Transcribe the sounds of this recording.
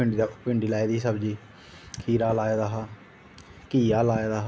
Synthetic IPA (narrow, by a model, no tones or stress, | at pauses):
ɪɳɖ̪apɪɳɖiːlaːeːd̪iːsəbd͡ʒiː | kʰiːɾaːlaːeːd̪aːɦaː | kiːjaːlaːed̪aːɦ